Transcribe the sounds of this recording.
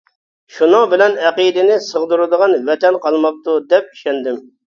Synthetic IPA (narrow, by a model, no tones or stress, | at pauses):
ʃunʊŋbɪlɛnɛqid̪ɪnɪsəʁd̪uɾɨd̪əʁɑnvɛt̪ʰɛnqʰɑlˠmɑq̚t̪ud̪ɛp̚i̥ʃɛnd̪ɪm